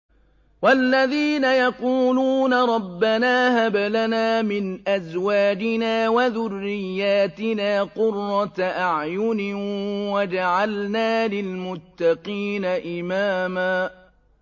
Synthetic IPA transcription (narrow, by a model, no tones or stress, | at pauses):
walːaðiːnajɑquːluːnaɾˤɑbːanaːhabalanaːmɪnʔazwaːd͡ʒɪnaːwaðʊrːɪjːaːt̪ɪnaːqʊrːɑt̪ʔaʕjʊnɪwad͡ʒaʕalnaːlɪlmʊt̪ːɑqiːnaʔɪmaːmaː